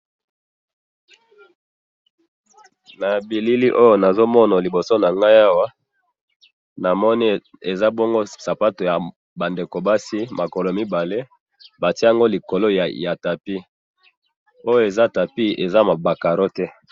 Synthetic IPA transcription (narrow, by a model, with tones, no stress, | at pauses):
na˨bi˨li˦li˦ʔo˦jo˦na˨zo˦mɔ˦na˨li˨bo˨so˦na˨ŋɡa˦ja˦wa˦ | na˨mɔ˦ni˦ | e˨za˦bo˦ŋɡo˦sa˨pa˦to˨ja˨ | ba˨nde˨ko˨ba˦si˦ma˨ko˨lo˨˦mi˦ba˨le˦ | ba˨ti˦a˦ŋɡo˦li˨ko˨lo˦jja˨ta˨pi˦ | o˦jo˦e˨za˦˨ta˨pi˦e˨za˦ma˨ba˨ka˨ɾo˦tɛ˦